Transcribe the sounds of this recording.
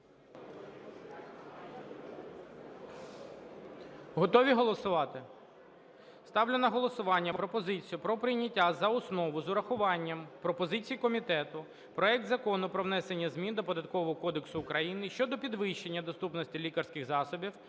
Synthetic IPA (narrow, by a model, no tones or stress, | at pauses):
ɦɔt̪ɔʋʲiɦɔlˠɔsʊʋɑt̪ɪ | st̪ɑwlʲʊnɐɦɔlˠɔsʊʋɑnʲːɐpɾɔpɔzɪt͡sʲijʊpɾɔpɾɪjnʲɐtʲːazɐʊsnɔʋʊzʊɾɐxʊʋɑnʲːɐmpɾɔpɔzɪt͡sʲijikɔmʲit̪ɛt̪ʊ | pɾɔɛk̚d̪zɐkɔnʊpɾɔʋn̪ɛse̞nʲːɐzmʲind̪ɔpɔd̪ɐt̪̚kɔʋɔɦɔkɔd̪eksʊːkɾɐjinɪʃt͡ʃɔd̪ɔpʲid̪ʋɪʃt͡ʃenʲːɐd̪ɔst̪upnɔsʲtʲilʲikɐrsʲkɪɣzɑsɔbʲiw